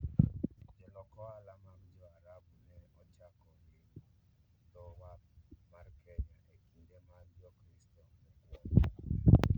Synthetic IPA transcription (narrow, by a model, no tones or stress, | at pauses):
d͡ʒɔlɔkɔalamamd͡ʒɔaɾabunɛɔt͡ʃakɔɡɪ | d̪ɔwamarkʰɛɲaʔekindemad͡ʒɔkɾistɔɛɛɡwɔt